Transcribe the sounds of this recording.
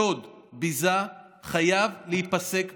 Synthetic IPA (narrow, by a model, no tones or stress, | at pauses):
od̪ | biza | χajavlehipase̞k